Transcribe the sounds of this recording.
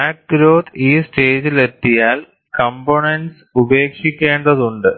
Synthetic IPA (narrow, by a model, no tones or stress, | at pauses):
aːk̚ʈ̪ɾoːt̪ʰiːsʈeːd͡ʑilet̪ːijaːl | kɐmboɳeɳɖs | ube̞ːkʂikʲːe̞ːɳɖɐðuɳɖɨ